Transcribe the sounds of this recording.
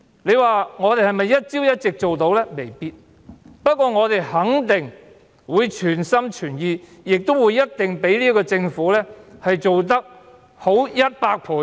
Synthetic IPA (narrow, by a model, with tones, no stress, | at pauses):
le˨˧jwaː˨ŋɔː˨˧t̪e˨jhɐ˨jmɐ˨jːɐ˥t̚t͡siː˥wjɐ˥t̚t͡sɪ˨k̚t͡so˨wt̪o˨˥wlɛː˥me˨˩jpiː˧t̚ | pɐ˥t̚kʷɔː˧ŋɔː˨˧t̪e˨jhɐ˨˥ŋt̪ɪ˨˩ŋ | wuː˨˧jt͡ʃʰyː˨˩nsɐ˥mt͡ʃʰyː˨˩njiː˨˧ | jɪ˨k̚t̪o˥wu˨˧jːɐ˥t̚t̪ɪ˨ŋpe˨˥jliː˥kɔː˧t͡sɪ˧ŋfuː˨˥lɛː˥hɐ˨jt͡so˨wt̪̬ɐ˥k̚ | ho˨˥wjɐ˥t̚paː˧k̚pʰuː˨˧˥